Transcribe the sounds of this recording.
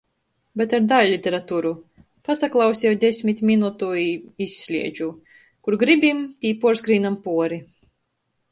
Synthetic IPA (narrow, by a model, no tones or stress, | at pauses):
bʲɛt̪aɾd̪alʲlʲit̪ʲeɾat̪uːɾu | pasaklˠɑwsʲɛwd̪ʲesʲmʲit̪ʲmʲinut̪uiisʲːlʲiɛd͡ʒu | kuɾɡɾibʲimt̪ʲiːpuɔɾsɡɾiːnampuɔɾi